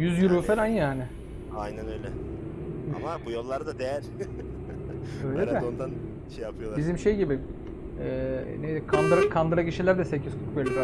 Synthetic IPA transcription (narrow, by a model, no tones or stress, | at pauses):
jyzjuɾuːfɛlʲanjaːnɪ | ajnænøjlʲɛ | a̰mabujo̞lˠːaɾɯd̪ad̪ejæɾ̥ | øjlʲeɾɛond̪an | ʃejapʰɯjolˠabizimʃejɟibi | ɛ̰ːnej̪kʰand̪ɾakʰand̪ɾaciʃilʲæɾd̪ɛsecʰizt̪ʰu̥k̚bølʲed̪